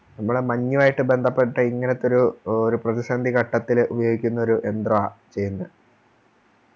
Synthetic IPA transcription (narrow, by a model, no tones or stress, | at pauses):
nɐmːɐɭemɐɲːuʋaːjiʈːɨbe̞nd̪ʱɐpːe̞ʈːɐiŋːɐnet̪ːo̞ɾuoɾuprɐðisɐnd̪ʱikɐʈːɐt̪ːilubɐjo̞ːɡikʲːunːɐo̞ɾuʔe̞nd̪rɐat͡ɕe̞jːunːɐ